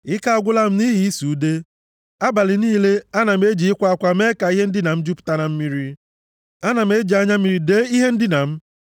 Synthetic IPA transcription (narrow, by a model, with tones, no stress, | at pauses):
ɪ˦ka˦a˨ɡʷʊ˦la˦m̩˦ni˦ɦi˨i˦su˨˦de˦ | a˦ba˨lɪ˨niː˦le˦a˦na˨m̩˦e˦d͡ʒi˨ɪ˦kʷa˦a˦kʷa˦me˦ka˨i˦ɦe˦n̩˦dɪ˦na˨m̩˦d͡ʒu˦pʊ̥˨ta˦na˨m̩˦mi˦ɾi˦ | a˦na˨m̩˦e˦d͡ʒi˨a˦ɲa˦m˦i˨ɾi˨de˦i˦ɦe˦n̩˦dɪ˦na˨m̩˦